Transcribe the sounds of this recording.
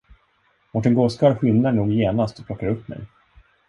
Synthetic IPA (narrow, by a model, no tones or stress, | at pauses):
mɔʈ̬ːɛnɡɔskɑɾɧɪnːaɳuːɡjeːnast̪ɔplɔkːaɾɵpːmɛ̰j